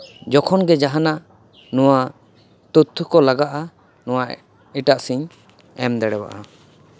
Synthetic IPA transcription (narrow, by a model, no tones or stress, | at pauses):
d͡ʒɔkʰɔnɡɛd͡ʒaɦanaʔ | nɔwa | t̪ut̪ʰːukɔlaɡaʔa | nɔwaʔ | iʈaʔsiɲ | ɛmd̪ɛɽɛwa̰ʔa